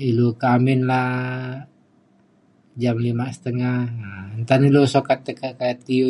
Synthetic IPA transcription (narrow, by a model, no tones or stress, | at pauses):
ilukamɪnla | d͡ʒamlimasə̥t̪əŋahnt̪anilusokat̪ːəkakat̪io